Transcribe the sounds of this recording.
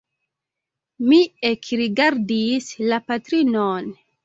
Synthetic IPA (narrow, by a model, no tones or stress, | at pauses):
miekɾiɡaɾdislapatɾinon